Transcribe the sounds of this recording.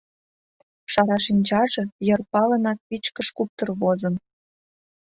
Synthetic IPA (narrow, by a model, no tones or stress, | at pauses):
ʃɑɾɑʃinʲd͡ʑɑʒɤ̆jɤ̆rpɑlə̆nɑt̪̚pit͡ɕkə̆ʃkup̚t̪ɤ̆rβozɤ̆n